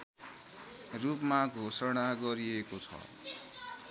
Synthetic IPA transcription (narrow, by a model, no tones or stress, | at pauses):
rupmaɡʱosʌɽ̃aɡʌɾiekot͡sʰʌ̰